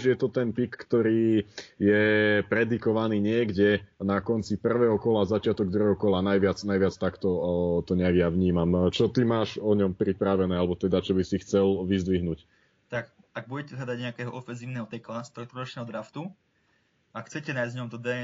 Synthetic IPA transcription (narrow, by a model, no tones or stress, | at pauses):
ʒjɛt̪ɔt̪ɛnp̪ikːt̪ɔɾiːjɛpɾɛd̪ikɔʋaniːɲɪɛɡɟɛnakɔnt͡sipr̩ʋɛːɦɔkɔlazat͡ʃɪat̪ɔɡ̚d̪ɾuɛɦɔkɔlanajʋɪat͡snajʋɪat͡st̪akt̪ɔt̪ɔɲɛaɡjaʋɲiːmamt͡ʃɔt̪imaːʒɔɲɔmpɾipɾaʋɛnɛːalɛbɔt̪ɛd̪at͡ʃɔbisixt͡sɛlʋizd̪ʋiɦnuc | t̪ak | aɡ̚buɟɛcɛzlad̪aɟɲɛakɛːɦɔɔfɛnziːʊnɛːɦɔt̪ɛklast̪ɾɔt̪ɾɔɾɔt͡ʃnɛːɦɔd̪ɾaft̪u | akxt͡sɛcɛnajzɲɔmt̪ɔd̪ɛ